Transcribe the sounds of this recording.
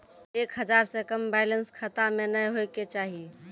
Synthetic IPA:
ekɦəd͡ʒaɾsekəmbajlənskʰət̪amenəjɦojket͡ʃaɦi

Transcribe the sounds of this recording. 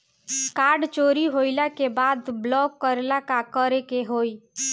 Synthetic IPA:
kaɾɖt͡ʃoɾiɦoɪlakebad̪blɔkːəɾelakakəɾekeɦoi

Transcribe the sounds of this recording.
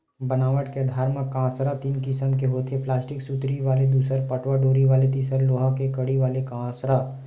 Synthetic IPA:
bənaːʋəʈked̪ʱaːɾmãkãːsɾat̪iːnkɪsəmkeɦoːt̪ʰepʰlaːsʈɪksut̪ɾiʋaːled̪uːsəɾpəʈʋaɖoːɾiʋaːlet̪iːsəɾloːɦãkekəɽiʋaːlekãːsɾa

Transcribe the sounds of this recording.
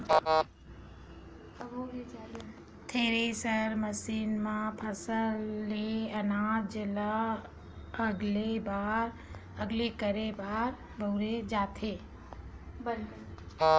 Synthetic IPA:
bɾed͡ʒal | t̪ʰeːɾesəɾməsiːnmãpʰəsəlːeənaːd͡ʒla | əɡlebaːɾ | əɡlekəɾebaːɾ | bəwɾed͡ʒaːt̪ʰeː | bɪlkl

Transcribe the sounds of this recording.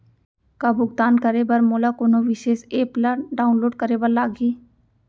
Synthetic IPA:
kabʊɡt̪aːnkɐɾebɐɾmoːlakoːnoʋɪʃeːʃeːplaɖaːʊnloːɖ̚kɐɾebəɾlaːɡiː

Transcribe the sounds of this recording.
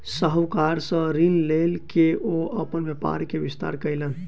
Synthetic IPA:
səɦəwkaɾsə̃ɾinlelkeʔoəpənʋjepa̰ɾkebist̪a̰ɾkəjlən

